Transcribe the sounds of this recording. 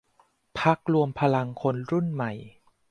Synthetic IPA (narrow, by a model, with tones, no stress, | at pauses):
pʰa˦˥k̚ɾu˧əmpʰa˧la˧ŋkʰo˧nɾu˥˩nma˨˩j